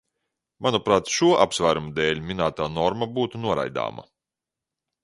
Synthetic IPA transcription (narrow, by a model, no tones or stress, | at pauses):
manupɾaːt̪ʃuɔʔapsvæːɾumud̪eːlʲmʲinaːt̪aːnɔɾmabuːt̪unuɔɾa̰jd̪a̰ːma̰